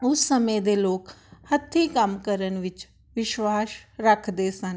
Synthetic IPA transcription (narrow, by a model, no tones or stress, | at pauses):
ʊsːəmẽːd̪eːloːkhət̪ʰiːkəmkəɾənʋɪt͡ʃ | ʋɪʃwaːsɾəkʰd̪eːsən